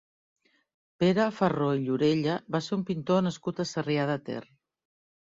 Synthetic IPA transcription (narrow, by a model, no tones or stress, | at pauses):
peɾəfəroiʎuɾeʎəβaseɾumpint̪onəskut̪əsəriað̞ət̪ḛr